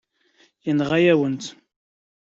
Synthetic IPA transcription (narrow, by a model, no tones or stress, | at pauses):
jənʁæjæwənt̪